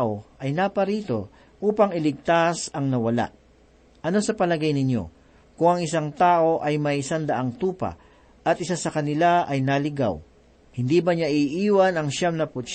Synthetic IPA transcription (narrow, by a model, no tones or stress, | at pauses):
ʔo̞ʔɐjnapɐɾiːt̪o̞̰ | ʔuːpɐŋɪlɪɡ̚t̪asɐŋnɐwɐla̰ʔ | ʔɐno̞sɐpɐlɐɡajnɪɲo̞̰ | kʊŋɐŋɪsaŋt̪aːʔo̞ʔɐjmɐɪsand̪ɐʔaŋt̪uːpɐ̰ | ʔɐt̪̚ʔɪsasɐkɐnɪlaɐjnalɪɡa̰w | hɪnd̪iːbɐɲaʔɪʔiːwɐnɐŋʃamnɐpʊt̪ʃ